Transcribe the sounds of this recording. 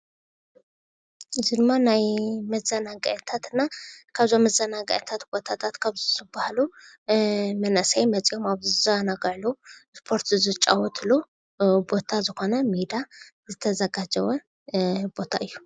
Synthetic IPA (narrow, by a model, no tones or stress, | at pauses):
ʔɨzid̪ɨmːanajmɐzɐnaɡaʕt̪ʰat̪ɨnːakʰaβzomɐzɐnaɡɐʕt̪ʰat̪b̥o̞t̪ʰat̪ʰat̪kʰaβzzɨbːahalu | mɐnɐsajmɐt͡sʼijo̞maβzɨzanaɡʕluspʰo̞ɾt̪zɨt͡ʃʼa̰wɔt̪ʰlu | bo̞t̪ʰazɨxo̞nɐmid̪a | zɨt̪ʰɐzɐɡad͡ʒɐwɐ | bo̞t̪ʰaʔɨjːu